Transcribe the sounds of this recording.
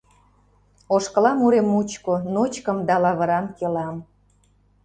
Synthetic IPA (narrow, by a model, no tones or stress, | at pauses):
oʃkəlɑmuɾemːut͡ɕkonot͡ɕkəmd̪ɑlɑβə̆ɾɑmkelɑm